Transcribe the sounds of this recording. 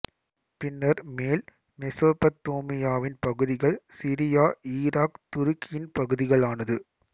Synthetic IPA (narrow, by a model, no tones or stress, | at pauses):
pɪnːɐɾmeːl | mɪsoːpːɐt̪ːoːmɪjaːʋɪnpɐɣɯðɪɣɐɭsiɾɪjaːiːɾaːkt̪ʊɾɪkːɪjɪnpɐɣɯðɪɣɐɭaːnɐðɯ